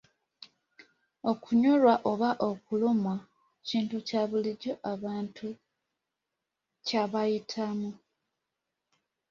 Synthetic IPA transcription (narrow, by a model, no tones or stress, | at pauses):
o̞kuɲolwaʔo̞βaʔo̞kulomwa | ciːntucaβuliɟo̞ʔaβaːntʰu | caβajitʰamu